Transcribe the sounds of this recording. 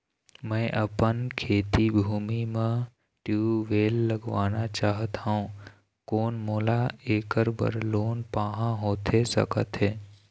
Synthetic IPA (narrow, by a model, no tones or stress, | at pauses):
mɛ̃ʔəpənkʰeːt̪ibʱuːmimẽ | ʈjuːʋeːlːəɡʋaːnat͡ʃaːɦət̪ɦaũ | koːnmoːlaeːkəɾbə̰ɾloːnpaːɦãɦoːt̪esə̰kə̰t̪ɦeː